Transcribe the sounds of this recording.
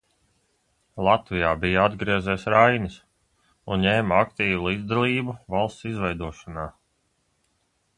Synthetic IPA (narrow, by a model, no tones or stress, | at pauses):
lˠat̪vijaːbijaad̪ɡɾiɛzɛːsɾajnis | unɲeːmakt̪iːvulˠiːd̪zd̪alˠiːbuvalˠst̪sizvɛjd̪uɔʃanaː